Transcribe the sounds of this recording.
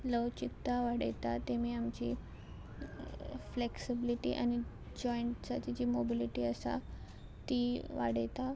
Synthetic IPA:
ləwt͡ɕit̪ːaʋaɽ̤ə̰jt̪at̪em̤iːamt͡ɕḭ | fleksibiliʈḭʔa̰ñi | d͡ʑɔiɳʈsat͡ɕid͡ʑimobiliʈiəsa̰ | t̪iʋa̰ɽəjt̪a

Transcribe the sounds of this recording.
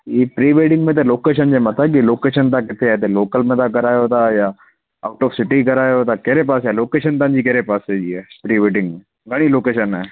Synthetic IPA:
jiːpɾiːʋeːʈɪ̃ŋɡmẽt̪̬eloːkeːʃ̬ənd͡ʑemɐt̪ak̬iloːkeːʃənt̪akɪt̪ʰeat̪eloːkəlmẽt̪ak̬ɐɾaːjot̪ajaː | a̰ːʊʈɔːfsɪʈikɐɾaːjot̪akeɦɾepaːsjaloːkeːʃənt̪̬ãːnd͡ʑikeɦɾepaːsed͡ʒiɛːpɾiːʋeːʈɪ̃ŋɡmẽ | ɡɐɽ̃iloːkeːʃənɛː

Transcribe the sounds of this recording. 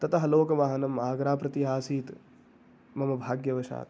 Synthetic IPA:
t̪ɐt̪ɐɦɐloːkɐʋaːɦɐnɐmaːɡɾaːpɾɐt̪iɦaːsiːt̪ | mɐmɐbʱaːɡjɐʋɐʃa̰ːt̪

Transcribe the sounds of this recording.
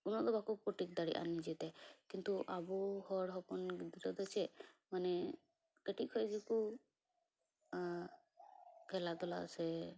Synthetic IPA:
kunɔd̪ɔbakupɔʈik̚d̪aɽḭʔa̰nid͡ʒɛt̪ɛkint̪uʔabuhɔɽɦɔpɔnɡid̪iɾɔd̪ɛt͡ʃʰɛmanɛ | keʈikʰɔjd͡ʒiku | kʰɛlat̪ɔla̰sɛ

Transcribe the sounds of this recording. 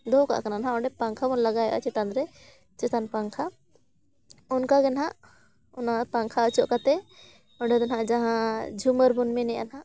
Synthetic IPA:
d̪ɔka̰ʔkananɦãɔɳɖɛpaŋkʰabɔnlaɡajɛʔa̰t͡ʃɛt̪anɾɛ | t͡ʃɛt̪anpaŋkʰa | ɔnkaɡɛnɦaʔ | ɔnap̪aŋkʰaət͡ʃɔʔkat̪ɛ | ɔɳɖɛd̪ɛnɦaʔd͡ʒaɦãd͡ʒʱuməɾbunmɛnɛjanɦaʔ

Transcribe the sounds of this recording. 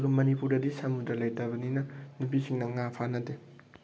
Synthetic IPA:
ɡumɐnipuɾdɐdisamudɾalɐjtɐβɐninɐnup̬isiŋnɐŋapʰanɐde

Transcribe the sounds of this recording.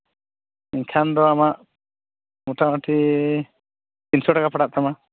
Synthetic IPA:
iɲkʰand̪ɔamaʔ | muʈamaʈʰi | insɔʈakapaɽaʔt̪ama

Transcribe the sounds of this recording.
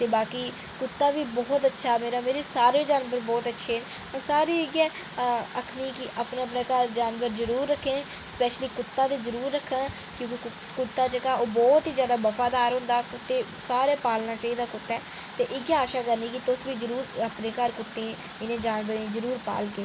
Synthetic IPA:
t̪eːbaːkiː | kʊt̪ːaːʋiːbɔːt̪ətːʃʰaːmeːɾaːmeːɾeːsaːɾeːd͡ʒaːnbəɾbɔːt̪ətːʃʰeːn | saːɾiːɪɡɛː | əkʰniːkɪʔəpnaːpneːkəɾd͡ʒaːnʋəɾzəɾuːɾːəkʰːẽː | spɛːʃliːkʊt̪ːãːd̪eːzəɾuːɾːəkʰːãː | kjõːki | kʊt̪ːaːt͡ʃəkaːoːbɔːt̪iːd͡ʒjaːd̪aːbəfaːd̪aːɾɦʊ̃nd̪aːkʊt̪ːeː | saːɾeːpaːlnaːt͡ʃaːiːd̪aːkʊt̪ːɛː | t̪eːʔɪɡaaːʃaːkəɾniːkɪt̪ʊsʋiːzəɾuːɾapneːkəɾkʊt̪ːẽː | ɪnẽːd͡ʒaːnʋəɾiːzəɾuːɾpa̰ːlkeː

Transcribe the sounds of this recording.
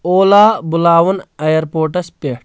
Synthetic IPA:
oːlaːbulaːʋɐnɐjɐɾpoːɾʈɐspeʈ

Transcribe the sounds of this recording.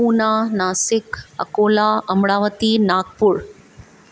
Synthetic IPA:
uːnaːnaːsɪkɐ̰koːlaɐmɽaːʋət̪iːnaːk̚pʊɾ

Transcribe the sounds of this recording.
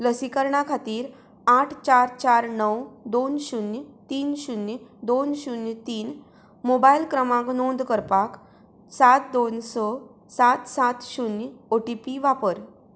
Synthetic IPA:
ləsikəɾɳakʰat̪iːɾ | aʈʰt͡ɕaɾt͡ɕaɾnəwd̪onɕunjt̪iːnɕunjd̪onɕunjt̪iːn | mobailkɾəmãknond̪kəɾpak | sat̪̚d̪onsɔ | sat̪sat̪ɕunoʈipiʋapəɾ

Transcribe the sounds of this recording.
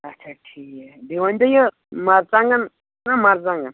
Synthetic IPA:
ɐt͡ʃʰaʈʰiːked̪iʋant̪ajə | maɾt͡saŋɡan | namaɾt͡sãŋɡan

